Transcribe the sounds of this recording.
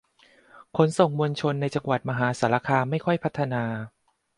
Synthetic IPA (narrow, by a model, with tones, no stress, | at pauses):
kʰo˩˦nso˨˩ŋmu˧nt͡ɕʰo˧nːa˧jt͡ɕa˧ŋwa˨˩t̪̚ma˧ɦaː˩˦saː˩˦la˧kʰaː˧ma˥˩jkʰɔ˥˩jpʰa˦˥t̪ʰːa˧naː˧